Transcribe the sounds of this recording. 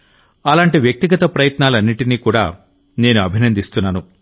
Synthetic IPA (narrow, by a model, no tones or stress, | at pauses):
ɐlaːɳʈiʋjɐk̚t̪iɡɐt̪ɐpɾɐjɐt̪naːlɐnːiʈiniːkuːɽa̰ː | ne̞ːnuɐbʱinɐnd̪ist̪unːaːnu